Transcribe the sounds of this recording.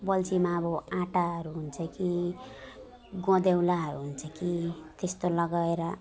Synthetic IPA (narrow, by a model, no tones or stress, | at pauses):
bʌlt͡simaːbʌãʈaɦʌɾuɦunt͡sʰʌki | ɡɔ̃d̪ewlaɦʌɾuɦunt͡sʰʌkit̪est̪olʌɡaeɾʌ